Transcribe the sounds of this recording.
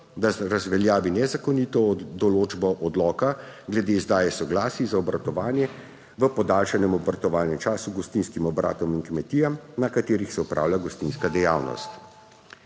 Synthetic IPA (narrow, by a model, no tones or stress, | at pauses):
d̪aɾazʋɛljaːʋinɛzakɔniːt̪ɔd̪ɔloːd͡ʒbɔʔɔd̪lɔːkaɡlɛd̪eːzd̪aːjɛsɔɡlaːsizaɔbɾat̪ɔʋaːnjɛ | ʋəpɔd̪aːlʃanɛmɔbaɾt̪ɔʋaːlnɛmt͡ʃaːsuɡɔst̪inskimɔbɾa̰ːt̪ɔmiŋkmɛt̪iːjamnakat̪eːɾixsɛupɾa̰ːwlʲjʲaɡɔst̪inskad̪ɛja̰ːwnɔ̰st̪